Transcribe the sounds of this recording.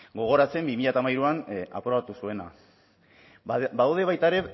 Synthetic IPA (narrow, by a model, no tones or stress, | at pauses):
ɡo̞ɣ̞o̞ɾat͡se̞mbimiʎat̪amajɾuana̰pɾo̞βat̪usue̞na̰ | baðawðe̞βajt̪aeɾe̞